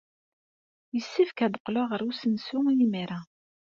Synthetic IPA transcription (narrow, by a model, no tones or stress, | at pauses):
jəsːifkæd̪əqːlaʁəɾusənsʊjimiɾa